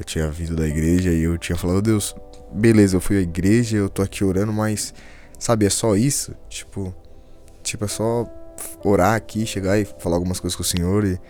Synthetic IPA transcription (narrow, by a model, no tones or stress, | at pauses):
ewt͡ʃĩɲɐvid̪ʊd̪ɐiɡɾeʒɐɪewt͡ʃĩɲɐfalad̪ʊd̪ews | belezɐewfujɐiɡɾeʒɐewt̪oakʰioɾɐ̃nd̪ʊmɐjsː | abɪɛsɔisʊt͡ʃi̥pʊ | t͡ʃipʊɛsɔ | oɾaakiʃeɡaɪfalaawɡumɐskojzɐskʊsẽɲoɾɪ